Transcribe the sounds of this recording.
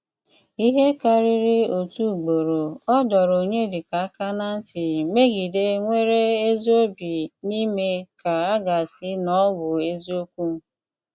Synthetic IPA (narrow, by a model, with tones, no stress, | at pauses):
i˦ɦe˦ka˦ɾi˦ɾi˦o˨tu˦˨ɡ͡bo˨ɾo˨ɔ˦dɔ˨ɾo˨ɲe˦dɪ˨ka˨a˦ka˦na˦n̩˦tɪ˨me˦ɡi˨de˦ŋʷe˦ɾe˦e˦zi˦o˦bi˨ni˦me˦ka˨a˦ɡa˨sɪ˦nɔ˦wʊ˨e˦zi˦o˦kʷu˦˨˦